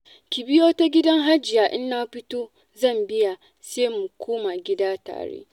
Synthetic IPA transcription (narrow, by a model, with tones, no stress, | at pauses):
kʲi˨bɪ˦joː˦ta˦ɡʲɪ˦dɐ˦ŋɦa˦d͡ʒɪ˨jaː˨ʔɪ˦nːaː˦ɸɪ˦toː˦ | zɐ˦˨mbɪ˦ja˨ | seː˦mʊ˨kʷoː˦ma˨ɡʲɪ˦daː˦ta̰ː˨ɽḛː˦